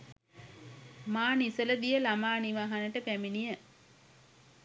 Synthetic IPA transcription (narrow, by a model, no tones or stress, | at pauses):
maːnisələd̪ijəlamaːniʋaːɦanəʈəpæminijə